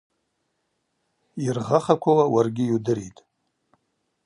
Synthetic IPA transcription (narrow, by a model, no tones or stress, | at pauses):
irʁaχakʷʰawawarɡʲɪjudɨɾitʼ